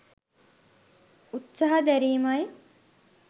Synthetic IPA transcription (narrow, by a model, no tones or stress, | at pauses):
ut̪saɦɐd̪æɾiːmɐj